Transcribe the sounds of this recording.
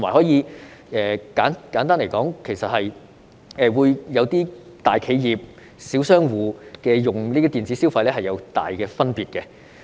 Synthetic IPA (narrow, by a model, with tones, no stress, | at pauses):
t̪ʰʊ˩maː˨˩hɔː˨˥jiː˨˧˥ʔɛː˨˧kaː˨˥nkaː˨˥nt̪aː˥nle˨˩jkɔː˨˥ŋkʰe˨˩jsɐ˨t̚hɐ˨j | ɛː˨˧wuː˨˧jjɐ˨˧wt̪iː˥ | t̪aː˨jkʰe˨˧jjiː˨p̚ | siː˨˥wsœː˥ŋwuː˨˧kɛː˧jʊ˨˩ŋliː˥d̪i˧˥t̪iː˨nt͡siː˨˥siː˥wfɐ˧jlɛː˥hɐ˨jɐ˨˧wt̪a̰ː˨jkɛː˧fɐ˥npiː˨t̚kɛ˧